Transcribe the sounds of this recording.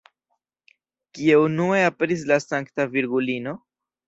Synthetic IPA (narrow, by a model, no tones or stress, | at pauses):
kie̞unue̞ape̞ɾis̬lasaŋktaviɾɡulino̞